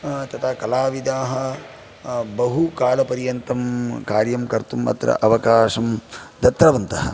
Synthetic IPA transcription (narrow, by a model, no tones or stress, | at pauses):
t̪ɐt̪ʰaːkɐlaːʋid̪aːɦɐ̆ | bɐɦukaːlɐpɐɾjɐnt̪ɐmkaːɾjɐmkɐɾt̪umɐ̰t̪ɾɐ̰ʔɐʋɐkaːʂɐmd̪ɐt̪ɾɐʋɐnt̪ɐɦɐ̰